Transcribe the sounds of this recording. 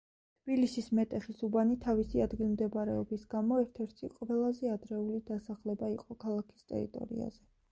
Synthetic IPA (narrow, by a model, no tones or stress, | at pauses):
t̪ʰb̥ilisismɛt̪ʼɛχisubanit̪ʰavisiad̪ɡilˠmd̪ɛbaɾɛɔbisɡamɔɛɾt̪ʰɛɾt̪ʰiqʼvɛlˠazɛad̪ɾɛulid̪asaχlɛbaiqʼɔkʰalˠakʰi̥st̪ʼɛ̰ɾḭt̪ʼɔ̰ɾḭa̰zɛ